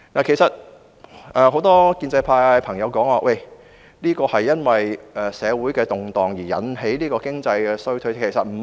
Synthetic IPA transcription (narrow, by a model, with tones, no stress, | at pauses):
naː˨˩kʰe˨˩jsɐ˨t̚ | ʔɛː˨˩ɦo˨˧˥wt̪ɔː˥kiː˧nt͡sɐ˧jpʰaː˧pʰɐ˨˩ŋjɐ˨˧wkɔː˨˥ŋwaː˧wʔe˥˧˩j | liː˥kɔː˧hɐ˨jːɐ˥nwɐ˨jʔɛː˨˩sɛː˨˧wuː˨˥jkɛː˧t̪ʊ˨ŋt̪ɔː˨ŋjiː˨˩jɐ̰˨˥nɦe˨˥jliː˥kɔː˧kɪ˥ŋt͡sɐ˧jkɛː˧sɵ˥t̪ʰɵ˥˧ɥskʰe˨˩jsɐ˨˩t̚m̩˨˩